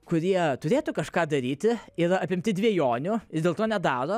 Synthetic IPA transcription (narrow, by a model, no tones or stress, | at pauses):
kʊɾʲiɛt̪ʊɾʲeːt̪ʊkɐʃkɑːd̪ɐɾʲiːt̪ʲɪɪɾɐpʲɪmʲt̪ʲɪd̪ʲʋʲiɛjoːnʲʊɪd̪ʲeːlˠt̪oːnʲɛd̪ɑːɾoː